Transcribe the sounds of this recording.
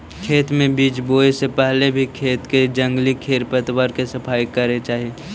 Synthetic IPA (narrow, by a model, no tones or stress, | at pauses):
kʰeːt̪mẽbiːt͡ʃboːesepɛɦlebʱikʰeːt̪ked͡ʒə̃ŋɡlikʰeːɾpət̪wəɾkesəpʰaːikəɾet͡ʃaːɦieː